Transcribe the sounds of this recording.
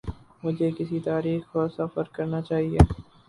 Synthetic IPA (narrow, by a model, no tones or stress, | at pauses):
mʊd͡ʒʱekɪsit̪aːɾiːxkosɐfəɾkɐɾnat͡ʃaːɦieː